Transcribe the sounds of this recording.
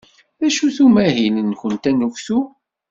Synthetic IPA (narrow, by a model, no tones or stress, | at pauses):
ðæʃuθumæɦinənçənt̪ænufθu